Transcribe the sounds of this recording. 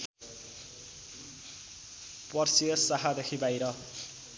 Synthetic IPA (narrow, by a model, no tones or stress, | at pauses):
pʌrsiʌsaɦad̪ekʰibajɾʌ